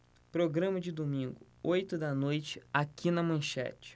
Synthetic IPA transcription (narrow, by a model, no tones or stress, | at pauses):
pɾoɡɾɐ̃mɐd͡ʒɪd̪omĩŋɡʊ | ojt̪ʊd̪ɐnojt͡ʃɪ̥akinɐmɐ̃ʃɛ̰t͡ʃɪ̥